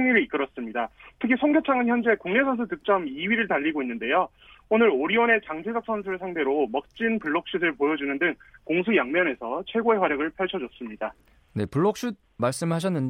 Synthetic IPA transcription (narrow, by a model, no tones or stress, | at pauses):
ŋiɾɯiik͈ɯɾʌs͈ɯmɲidatʰɯkʰisʰʌŋɡjʌt͡ɕʰaŋɯnçjʌnd͡ʑe̞koŋne̞sʰʌnsʰutɯk̚t͡ɕ͈ʌmiɥiɾɯɭtaʎːiɡoinːɯnde̞jo | onɯɾoɾiwʌne̞t͡ɕaŋd͡ʑʰed͡ʑʌk̚s͈ʰʌns̬ʰuɾɯɭsʰaŋde̞ɾomʌk̚t͡ɕ͈inpuɭːok̚ɕ͈udɯɭpojʌd͡ʑunɯndɯŋkoŋs̬ʰujaŋmjʌne̞sʰʌt͡ɕʰweɡoe̞ɸwaɾjʌɡɯɭpʰjʌɭt͡ɕʰʌd͡ʑʌs͈ɯmɲida | ne̞puɭːok̚ɕ͈ud̚ | maɭs͈ɯmɭɦaɕ̬ʰʌnːɯn